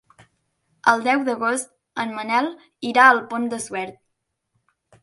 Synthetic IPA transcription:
əlˠd̪ɛwd̪əɣost̪̚ | ənmənɛlˠ | iɾaəlˠpond̪əswɛɾt̪̚

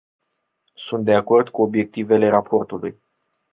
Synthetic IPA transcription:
sunt̪d̪e̞ako̞rd̪kuo̞bje̞k̚t̪ive̞le̞ɾapʰo̞rt̪ulṵj

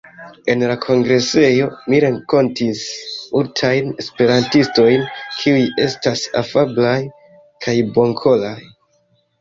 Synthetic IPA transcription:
e̞nlakʰo̞ŋɡɾe̞se̞jo̞miɾe̞ŋko̞ntismultʰajne̞spe̞ɾantisto̞jnkʰiuje̞stasa̰fablaj | kʰajbo̞ŋkʰo̞laj

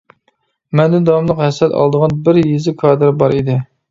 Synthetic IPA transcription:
mɛnd̪ɪd̪ɑmlˠəqɦɛsɛt̪ɑ̰lˠd̪əʁɑnbɪɾjezɪkʰɑːd̪ɨɾbɑɾid̪ɪ

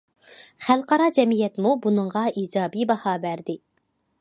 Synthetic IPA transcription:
χælˠqɑɾɑd͡ʒɛmijɛt̪mubunɨŋʁɑʔiːd͡ʒɑːbibɑhɑːbæɾd̪ɪ

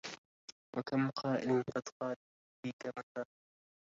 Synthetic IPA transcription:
wʔakamqʰɑːʔɪlnqɑd̪qɑː | iːkamakaː

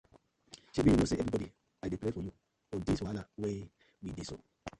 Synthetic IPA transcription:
ʃebiunoseɛvɾibɔdi | adepɾefɔju | odiswalawe | widiso̰

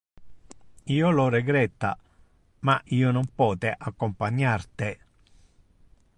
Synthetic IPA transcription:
iːoloɾɛɡɾɛt̪ːa̰ | maʔiːʊnɔmpɔːt̪eʔakːompaɲːart̪e

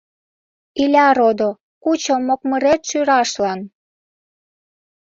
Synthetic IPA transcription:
ilʲɑɾod̪o | kut͡ɕomːok̚məɾet̪ʃyɾɑʃlɑn

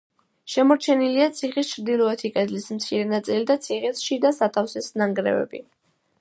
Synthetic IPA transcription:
ʃɛmɔɾt͡ʃʰɛniliat̪sʰiχist͡ʃʰɾd̪ilˠɔɛt̪ʰikʼɛd̪lismt̪sʰiɾɛnat̪sʼilid̪at̪sʰiχɛsʃid̪asat̪ʰafsɛsnaŋɡɾɛ̰vɛ̰bḭ

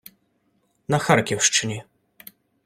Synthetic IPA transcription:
naxarkʲɛwʂt͡ʂɨnʲi

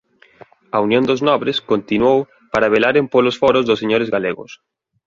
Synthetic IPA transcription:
ɐunjõnd̪ʊznɔβɾɪskont̪inwow | paɾaβelaɾempolʊsfɔɾʊzðʊseɲoɾɪzɣaleɣʊ̰s

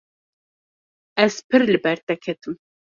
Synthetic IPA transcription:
ɛzpʰɨɾlɨbɛɾt̪ɛkʰɛt̪ʰɨm

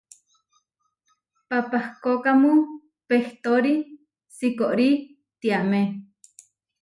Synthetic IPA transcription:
papahkokamũ | peht̪oɾi | sikoʔɾi | t̪iaʔme

